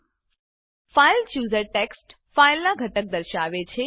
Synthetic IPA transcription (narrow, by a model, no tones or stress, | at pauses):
failt͡ʃjuːzəɾʈeksʈ | failnaɡʱəʈək̚d̪əɾʃaʋet͡ʃʰe